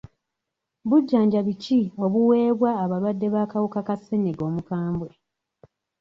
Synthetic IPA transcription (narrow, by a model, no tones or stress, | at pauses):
βuɟːaːɲɟaβicio̞βuwe̞ːβwaːβalwadːe̞βaːkawukakaseneɡo̞ːmukaːmbwe